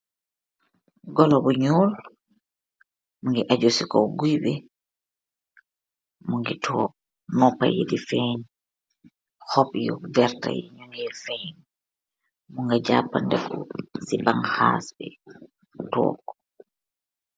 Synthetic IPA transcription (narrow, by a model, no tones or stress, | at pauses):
ɡɔlɔbɔɲɔːl | muŋɡɛʔad͡ʒosikɔwɡujbɛ | muŋɡɛtʰɔk | nɔpːa̰jḛdifɛɲ | hɔpjɔvɛɾta̰jeɲunɛlfɛn | muŋɡad͡ʒaːpːandɛkɔ̰sibaŋhaːsbɛ | tɔ̰ːkːɔ